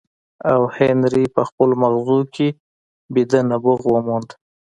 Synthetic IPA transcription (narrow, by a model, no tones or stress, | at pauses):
awhenɾipəxpəlomaɣzukʰe | bid̪anabʊɣwəmund̪